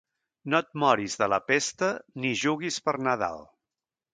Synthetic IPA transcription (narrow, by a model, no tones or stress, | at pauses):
not̪̚mɔɾizðələpest̪əniʒuɣispəɾnəða̰lˠ